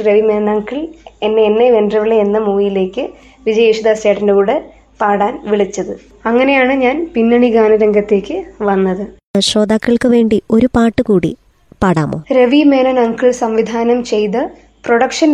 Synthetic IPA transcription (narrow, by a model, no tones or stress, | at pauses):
ɾeʋimeːnɐnɐːŋkːiɭe̞nːeenːejʋenɖrɐʋiɭːeenːɐmuːjile̞ːkːɨ | ʋid͡ʑɐjeʂud̪aːsjaːʈːindeuɽe | paːɽaːnʋiɭit͡ɕːɐðɨ | ɐŋːɐne̞jaːɳɨɲaːnpinːɐɳiɡaːnɐɾeŋɡɐt̪ːe̞ːkʲːɨʋɐnːɐðɨ | ɕro̞ːd̪aːkːɐɭkɨʋe̞ːɳɖio̞ɾupaːʈːɨkuːɽḭ | paːɽa̰ːmo̞̰ːɾeʋime̞ːnɐnɐŋkːiɭsɐmʋid̪ʱaːnɐmt͡ɕe̞jt̪ɨ | proɽɐkʂɐn